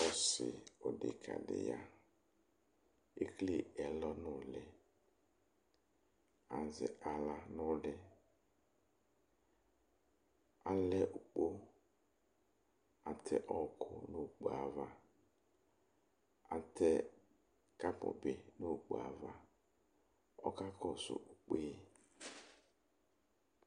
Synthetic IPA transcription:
ɔ˦sɪ̰˨ɔ˨dɪ̰˨kʰa̰˨dɪ̰˨ja˨ | e˦kli˦˨ɛ˨lɔ˦nʊ˦˨lɪ˨ | a˨zɪ̰˨ʔa˨la˨nʊ˦lɪ˦ | a˦lɛ˦ʔʊ˨k͡po˦ | a˨tʰɛ̰˦ʔɔ˦kʰʊ̰˦no˦˨k͡pa˨va˨ | a˨tʰɛ˦ | ka˦pʊ̰˨bɪ˨no˦˨k͡po̰˨a̰˨va˨ | ɔ̰˦ka˦kɔ˦˨sʊ̰˨u˨k͡peː˦

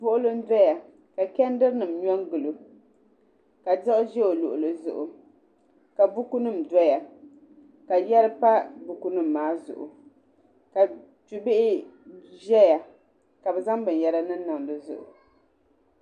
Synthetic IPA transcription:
pʊ˦ʔʊ˦lɨ˦n˦da˦ja˨ | ka˨kɛ˦n˦dɨ˦ɾnɨ˨mɲɔ˦ŋɡɨ˨lɨ˨ | ka˨dɨ˦ʔʊ˦ʒɛ˦o˨lʊ̰˨ʔʊ˨lɨ˨zʊ̰˨ʔʊ̰˨ | ka˨bu˦ku˦nɨ˦m̩da˦ja˨ | ka˨jɛ˦ɾɨ˦pa˦bu˨ku˦nɨ˦˨m̩ː˨aː˦zʊ̰˨ʔʊ̰˨ | ka˨ | tu˨bɪ˦ʔɪ˦ʒɛ˦ja˨ | ka˨bɛ˨za˦ŋbɨ˨n˨jɛ˦ɾa˦nɨ˦n˦na˨ŋ˨dɨ˨zʊ̰˨ʔʊ̰˨

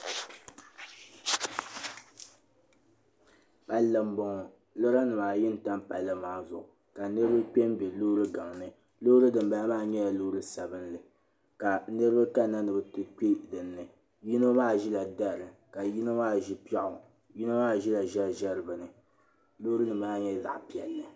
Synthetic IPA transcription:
pa˦lːɨ˨m̩˦bɔ˨ŋɔ˨ | lo˦ɾa˦nɨ˨maː˨jɪ˦n˨ta˦mpa˨lːɨ˦maː˦˨zʊ˨ʔʊ˨ | ka˨nɨ˦ɾɨ˦bɨ˦k͡pʲe˦mbɛ˨loː˦ɾɨ˦ɡa˨ŋnɨ˦ | lo˦ɾɨ˦dɨ˨mba˨˦maː˦˨ɲɛ˦ja˨lo˦ɾɨ˦sa˨bɨ˦nlɨ˨ | ka˨nɨ˦ɾɨ˦bɨ˦ka˦na˦nɨ˨bɨ˨tɨ˦k͡pi˦dɨ˨nːɨ˨ | ji˦no˦maː˦ʒi˦la˨da˦˨ɾɨ˨ka˨ji˦na˦maː˦ʒi˦pa˦ʔʊ˨ | ji˦no˦maː˦ʒi˦la˨ʒɛ˦ʒɛ˦ɾɨ˨bɨ˨nɨ˨ | lo˦ɾɨ˦nɨ˨maː˦ɲɛ˦za̰˨ʔpi˨ɛ̰˨lːɨ˨

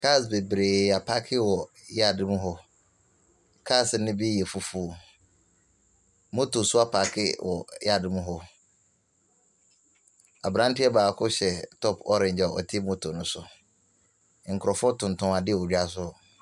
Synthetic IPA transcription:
kʰa˦˨sbe˨bɾe˨a˨pʰa˦kʰɪ˦wɔ˨ | ja˦dɪ˦mũ˦ɦɔ˦ | kʰa˦˨sɪ˨nɪ̃˦bi˦jɛ˨fu˨fu˦˨ | mo˦tʰo˨sʊ˦a˦pʰa˨kʰɪ̰˦wʔɔ˨ja˦˨dɪ̃˨mũ˦ɦɔ˦ | a˨bɾã˦n˦tʰi˦ɛ˦baː˨kʰʊ˦ɕɛ˨tʰɔ˦pʰɔ˦ɾɪ̃˨ɲd͡ʑa˨ɔ̰˨tʰɪ˦mo˦tʰo˨nʊ̃˦sʊ˨˦ | ŋ̩˨kʰʊ˨ɾɔ˨fɔ˦tʰʊ̃˨n˨tʰʊ̃˦a˨dɪ˦˨ɔ˨d͡ʑᶣa˦s̬ʊ˦˨

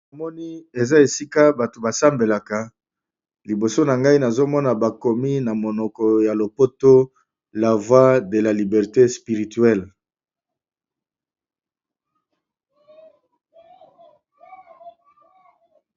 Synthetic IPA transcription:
a˨mɔ˦ni˦e˨za˦e˨si˦ka˦ba˨to˨ba˨sa˦mbe˨la˨ka˨ | li˨bo˨so˦na˨ŋɡa˦i˦na˨zo˦mɔ˦na˨ba˨ko˨mi˦na˨mo˨nɔ˨kɔ˨ja˨lo˨po˦to˦ | la˨vwa˦de˨la˨li˨bɛ˨ʁte˦spi˨ʁi˨tɥɛ˦˨l

